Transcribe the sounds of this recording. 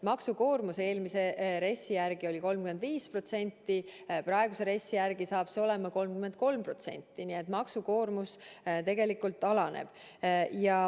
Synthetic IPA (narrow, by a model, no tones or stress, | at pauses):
mɑksuko̞ːrmuse̞ːlmise̞ɾe̞sːijærɡ̥io̞lʲiko̞lmkyme̞nd̪viːspro̞t̪se̞nʲt̪ːiprɑeɡ̥use̞ɾe̞sːijærɡisɑːb̥seo̞le̞mɑko̞lmkyme̞nt̪̚ko̞lmpro̞t̪se̞̰nʲt̪ːˑinie̞t̪ˑmɑksuko̞ːrmust̪e̞ɡe̞likːult̪ːˑɑlɑnḛb̥ | jɑ